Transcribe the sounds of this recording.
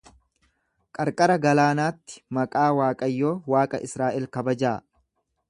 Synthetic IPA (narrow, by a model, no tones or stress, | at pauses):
kʼɐɾkʼɐɾɐɡɐlaːnaːt̪ːɪ̥mɐkʼaːwaːkʼɐjːo̞ːwaːkʼɐʔɪsɾaːʔɛlkɐbɐd͡ʒaː